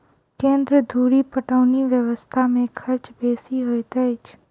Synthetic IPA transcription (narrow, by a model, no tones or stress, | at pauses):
kẽːnd̪ɾəd̪ʱuːɽipəʈəːniʋjəʋəst̪ʰamẽkʰɐɾt͡ʃbeːsiɦojt̪ɛɪt͡ʃʰ